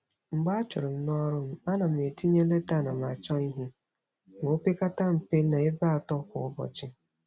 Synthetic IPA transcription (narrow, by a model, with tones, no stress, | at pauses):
ŋ͡m̩˨ɡ͡ba˦t͡ʃʊ˨ɾɪ˨m̩˦nɔ˦ɾʊ˦m̩˦a˦na˨m̩˨e˨ti˦ɲe˦le˦ta˦˨na˨m˨a˨t͡ʃɔ˦i˦ɦi˦ | ŋo˦pe˦ka˦ta˦m̩˨pe˦na˨e˦ba˦a˨tɔ˦kʊ̰˨ʊ˦bɔ̰˨t͡ʃɪ˦